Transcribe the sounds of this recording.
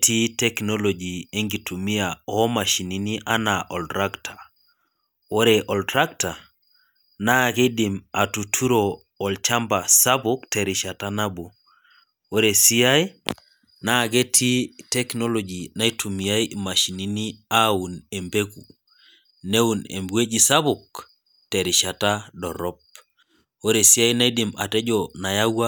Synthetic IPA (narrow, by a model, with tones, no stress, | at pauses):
tʰi˦tɛ˦knɔ˦lɔ˨d͡ʒie˦ŋɡi˨tʰu˨mi˦aɔ˦ma˨ʃi˨ni˨ni˦ʔa˦na˨ʔɔ˨ltɾa˦ktʰa˨ | wo˦ɾe˨ʔɔ˨ltɾa˦k̚ta˨ | na˦ke˦dima˨tu˨tʰu˦ɾoː˨ | lt͡ʃa˦mba˨sa˦buktɛ˨ɾi˨ʃa˨tana˦bo˨ | wo˦ɾe˨si˦a˦i˦ | na˦˨ɡe˦tʰi˦tɛ˦knɔ˦lɔd͡ʒi˨na˦i˦tʰu˨mi˨a˦ima˨ʃi˨ni˦ni˦a˦u˨ne˨mbe˦ku | ne˦u˨nḛ˨mbwe˦d͡ʒi˨sa˦βʊ˨k̚ | tɛ˨ɾɪ˨ʃa˨ta˦dɔ˨ɾɔ˦p̚ | o˦ɾe˨si˦a˦jna˦i˦di˨ma̰˨tɛ˦d͡ʒɔna˨ja˦wa˦